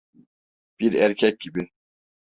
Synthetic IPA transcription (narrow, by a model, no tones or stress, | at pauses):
b̥iɾæɾcʰɛc̚ɟibi